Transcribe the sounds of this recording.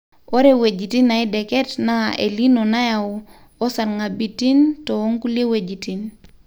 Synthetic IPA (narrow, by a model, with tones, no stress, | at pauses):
o˦ɾe˦we˨d͡ʒi˨ti˦na˨i˦dɛ˨kɛ˦tna˦ḛ˨li˦no˨na˦ja˨ | o˦sa˨ɾŋa˨bi˨ti˦nto˨o˦ŋku˦li˦e˦we˨d͡ʒi˨ti˨n